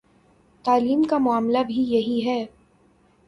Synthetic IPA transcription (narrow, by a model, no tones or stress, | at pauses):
t̪aːliːmkamʊaːmlabʱijɐɦiɦɛː